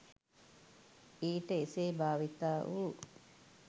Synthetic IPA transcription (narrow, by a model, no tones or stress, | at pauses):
iːʈəeseːbaːʋit̪aːʔuː